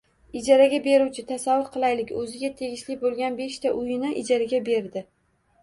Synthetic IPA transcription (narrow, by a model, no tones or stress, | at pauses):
ɪd͡ʒaɾaɡʲabe̞ɾuwt͡ʃʰɪt̪ʰasavːʊɾqʰɨlˠajlɪkʲɵzɪɡʲat̪ʰe̞ɡʲɪʃlɪbolˠɡʲanbe̞ʃt̪ʰaʔʊjɪnɪʔɪd͡ʒaɾaɡʲabe̞ɾd̪ɪ